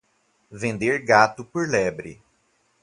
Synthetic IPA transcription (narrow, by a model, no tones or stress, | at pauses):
vẽnd̪eɾɡat̪ʊpoɾlɛbɾɪ̰